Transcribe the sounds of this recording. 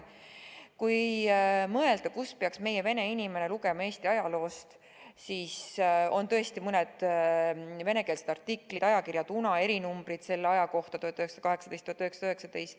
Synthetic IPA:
kuj | mɤ̞e̞ld̪̥ɑkuspeɑksme̞jeve̞ne̞inime̞ne̞luɡe̞mɑe̞ːst̪iɑjɑlo̞ːst̪ | siːso̞nt̪ɤ̞est̪imɯned̪̥ | ve̞ne̞ke̞ːlsed̪ɑrt̪ikːlid̪̥ɑjɑkirjɑd̪unɑe̞ɾinumb̥ɾit̪se̞lːeɑjɑko̞ht̪ɑt̪uhɑt̪ːˑøheksɑd̥̪ɑkɑɦeksɑd̪̥ejst̪uhɑt̪øɦeksɑ̥d̪øɦe̞ksɑd̪ejst̪

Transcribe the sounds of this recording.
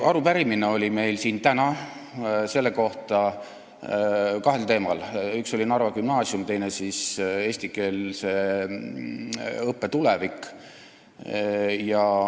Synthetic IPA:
ɑɾupæɾimineo̞lʲime̞jlsiːnt̪ænɑ | se̞lːeko̞ht̪ɑ | kɑɦe̞lt̪e̞ːmɑlykso̞lʲinɑrvɑkymnɑːsiumt̪e̞jnesise̞ːsʲt̪ike̞ːlse̞ | ɤpːe̞t̪ulevikˑ | jɑ

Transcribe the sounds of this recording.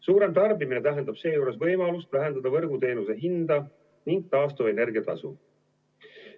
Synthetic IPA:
suːɾe̞mt̪ɑrbimine̞t̪æɦe̞nd̪̥ɑb̥se̞ːjuːɾe̞svɤjmɑlust̪væɦe̞nd̪̥ɑd̪ɑvɤrɡut̪e̞ːnuse̞ɦind̪̥ɑ | niŋɡ̥̚t̪ɑːst̪uvɑe̞ne̞rɡ̥iɑt̪ɑ̰su

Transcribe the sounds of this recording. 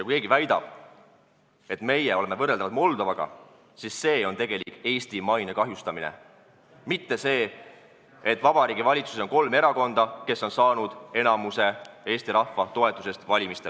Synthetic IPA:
jɑkujke̞ːɡ̥ivæjd̪̥ɑ̰b̥̚ | e̞t̪me̞jeo̞le̞me̞vɤrːeld̪ɑvɑd̪mo̞ld̪̥ovɑɡ̥ɑ̰ | sisːe̞ːo̞nt̪e̞ɡe̞likˑːe̞ːst̪imɑjnekɑɦjust̪ɑminḛ | mit̪ːe̞se̞ː | et̪ːˑvɑb̥ɑɾiːɡ̥ivɑlʲit̪su̥seo̞nko̞lme̞ɾɑko̞nd̪ɑke̞sːo̞nsɑːnud̪̥e̞nɑmuse̞e̞ːsʲt̪iɾɑhvɑt̪o̞e̞t̪ːˑuse̞st̪vɑlʲimist̪el

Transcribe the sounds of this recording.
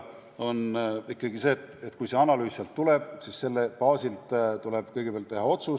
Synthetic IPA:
o̞nikːˑɑɡise̞ːt̪ːˑet̪kujse̞ɑnɑlyːssɑlt̪ːuleb̥sisse̞lːepɑːsilt̪t̪uleb̥kɤjɡepeɑlt̪ːeɦɑo̞t̪su

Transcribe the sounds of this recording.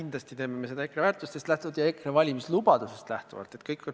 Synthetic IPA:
ind̪lɑst̪it̪e̞ːme̞mese̞d̪ɑekɾevæːɾt̪ˑust̪est̪læht̪uvɑd̪jɑe̞kɾevɑlʲimislubɑd̪̥use̞st̪læht̪ṵvɑ̰lt̪e̞t̪kɤjkːko

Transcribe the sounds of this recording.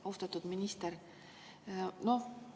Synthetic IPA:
owst̪ɑt̪ːud̪̥minʲist̪eɾ | no̞

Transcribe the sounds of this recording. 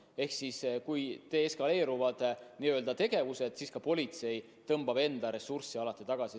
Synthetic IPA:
e̞hksiskujt̪e̞eskɑle̞ːɾuvɑd̪̥niø̞ld̪ɑt̪e̞ɡ̥e̞vuse̞d̪̥siskɑpo̞lʲit̪se̞j | t̪ɤmb̥ɑbe̞nd̪̥ɑɾe̞sursːiɑlɑt̪ːˑit̪ɑɡ̥ɑsi

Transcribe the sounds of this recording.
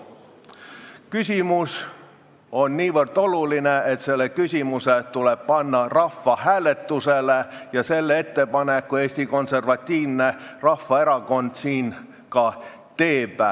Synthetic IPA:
kysʲimus | o̞nniːʋɤrd̪̥o̞lulineet̪se̞lːekysʲimuset̪uleb̥̚pɑnːɑrɑfːɑhæːle̞t̪ːuselejɑse̞lːee̞t̪ːe̞pɑnekːue̞ːsʲt̪iko̞nse̞rvɑt̪ʲːiːvnerɑfːɑe̞ɾɑko̞nd̪siːn | kɑ | t̪e̞ːpæ

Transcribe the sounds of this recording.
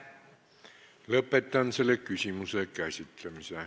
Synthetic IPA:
lɤpːet̪ːˑɑnselːekysimysekæsʲit̪ːˑlemise

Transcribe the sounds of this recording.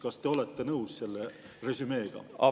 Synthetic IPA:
kɑst̪e̞o̞let̪ːe̞nɤwsse̞lːe̞ | re̞syme̞ːɡ̥ɑ̰ɑ̰

